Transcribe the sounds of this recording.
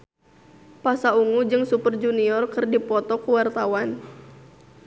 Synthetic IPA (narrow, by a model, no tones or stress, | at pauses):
pasauŋud͡ʒɨŋsupərd͡ʒuniɔrkɨrdipɔt̪ɔkuwart̪awan